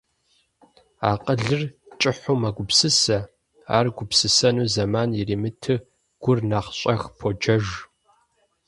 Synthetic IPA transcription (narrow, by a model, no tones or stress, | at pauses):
aːqʼəɮɨrt͡ʃʼɪħʷomɐɡʷʊpsɨsɐ | a̰ːrɡʷʊpsɨsɐnuːzɐmaːnjiɾiːmɨtʰɨ | ɡ̥ʷʊrnaːqɕʼɐxpʰod͡ʒɐʒ